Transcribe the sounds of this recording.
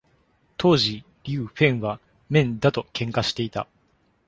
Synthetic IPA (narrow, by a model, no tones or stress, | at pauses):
t̪ʰo̞ːʑi | ɾʲɯːɸẽ̞ɰ̃βa | mẽ̞nd̪at̪o̞kʰẽ̞ŋkaɕi̥t̪e̞it̪a̰